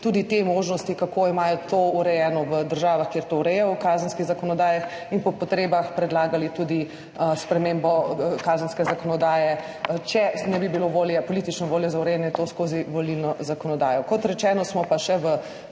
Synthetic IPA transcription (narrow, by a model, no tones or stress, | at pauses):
t̪uːd̪it̪emoʒnɔst̪ikakoimaːjɔt̪ouɾɛjɛːnɔʋəd̪əɾʒaːʋaxkeːɾt̪ouɾɛjɛwkaːzənskiɣzakɔnɔd̪aːjax | inpɔpɔt̪ɾeːbaxpɾɛd̪laːɡalit̪ud̪i | spɾɛmeːmbɔkaːzənskɛzakɔnɔd̪aːjɛ | t͡ʃɛnɛbibiloʋoːljɛpɔlit̪it͡ʃnɔʋoːljɔzauɾɛjɛnɛt̪oskoːziʋolilnɔzakɔnɔd̪aːjɔkɔt̪ɾɛt͡ʃɛːnɔsmɔpaʃɛʋə